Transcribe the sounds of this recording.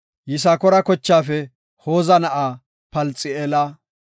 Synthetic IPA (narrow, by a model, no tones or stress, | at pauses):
jɪs̬aːkɔɾɐkɔt͡ʃːaːfɛ | ho̞ːzɐnɐʔaː | pɐlt͡sʼːɪeːlɐ